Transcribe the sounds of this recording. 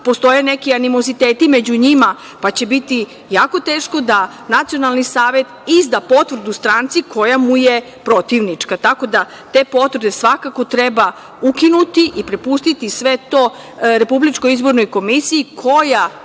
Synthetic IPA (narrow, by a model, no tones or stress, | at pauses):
po̞st̪o̞jenekianimo̞zit̪eːt̪imed͡ʑuɲima | pat͡ɕe̞bit̪i | jaːko̞t̪e̞ːʃko̞d̪a | nat̪sijo̞nalˠnisaːʋet̪izd̪apo̞t̪ʋɾ̩d̪ust̪ɾaːnt̪sikʰo̞jamuje | pɾo̞t̪iʋnit͡ʂkat̪ako̞d̪a | t̪e̞po̞t̪ʋɾ̩d̪esʋakako̞t̪ɾeba | ukinut̪iʔipɾepust̪it̪isʋet̪o̞ | ɾe̞publit͡ʃkojizbo̞ɾnojko̞misiikʰo̞ja